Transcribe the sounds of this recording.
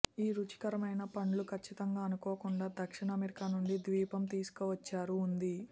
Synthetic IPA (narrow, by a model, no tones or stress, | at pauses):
iːɾut͡ʃi̥kɐɾɐmɐjnɐpɐɳlukʰɐt͡ʃːit̪ɐŋɡaːɐnukoːkuɳɖaːd̪ɐkʂiɳɐːmeɾikaːnuɳɖid̪ʋiːpɐmt̪iːsu̥kɔːʋɐt͡ʃːaːɾuːnd̪i